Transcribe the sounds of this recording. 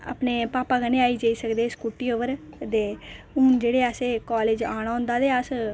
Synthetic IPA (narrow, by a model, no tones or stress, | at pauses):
a̰ːpneːpaːpaːɡanẽːaːiːd͡ʒaːiːsəkd̪eːskuʈːiːoːʋəɾd̪eːɦʊnd͡ʒeːɽeːaseːkaːleːd͡ʒaːɽ̃aːʊ̃nd̪aːd̪eːəs